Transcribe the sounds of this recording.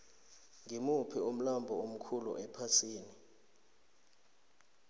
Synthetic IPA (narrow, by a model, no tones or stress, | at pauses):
ŋʱimupʰiom̩lambʱɔom̩kʰulṵʔɛpʰasiːni